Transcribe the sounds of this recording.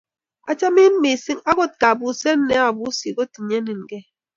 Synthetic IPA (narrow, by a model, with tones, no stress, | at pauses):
a̰˦t͡ʃa˦mi˦m̩˦mi˨si˦ŋa˦ɡo˦˨t̚ka˨bu˨se˦n̩˦ne˦a˨bu˨˦si˨ko˦ti˨ɲe˦ni˨n˨ɡe˦